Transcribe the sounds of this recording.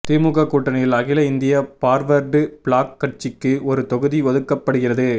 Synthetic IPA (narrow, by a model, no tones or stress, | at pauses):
t̪ɪmʊɣɐkːuːʈːɐnɐjɪlɐɣɪlɐɪnd̪ɪjɐpaːɾʋɐɾɖɯpɭaːkːɐʈt͡ʃɪkːɯʔɔɾɯt̪ɔɣɯðiʋɔðɯkːɐpːɐɽɯɣɪrɐðɯ